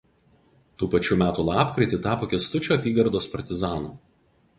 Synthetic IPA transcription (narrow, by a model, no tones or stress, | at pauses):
t̪uːpɐt͡ʃʲuːmʲæːt̪uːlˠɑːpkɾʲɐɪt̪ʲɪt̪ɑːpoːkʲɛst̪ʊt͡ʃʲoːɐpʲiːɡɐɾd̪oːspɐɾʲt̪ʲɪzɑːnuː